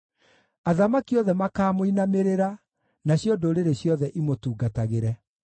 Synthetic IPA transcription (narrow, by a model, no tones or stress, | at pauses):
aðamakiɔðɛmakaːmoinameɾeɾa | naɕjodoɾeɾeɕjɔðɛʔimotuːɡataɣeɾɛ